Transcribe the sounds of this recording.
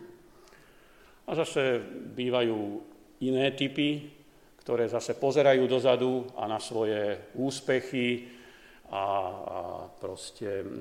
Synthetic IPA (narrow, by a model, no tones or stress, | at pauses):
azasɛbiːʋajuː | inɛːt̪ipi | kt̪ɔɾɛːzasɛpɔzɛɾajuːd̪ɔzad̪ua̰nasʋɔjɛuːspɛxi | a̰ | pɾɔscɛ